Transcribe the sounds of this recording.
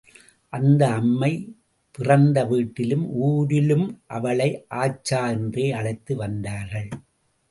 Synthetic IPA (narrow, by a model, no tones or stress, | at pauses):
ʔɐnd̪ɐːmːɐɪ | pɪrɐnd̪ɐʋiːʈːɪlɯmuːɾɪlɯmʔɐʋɐɭɐɪʔaːt͡ʃːaːɛndreːɐɻɐɪt̪ːɯʋɐnd̪aːɾɣɐɭ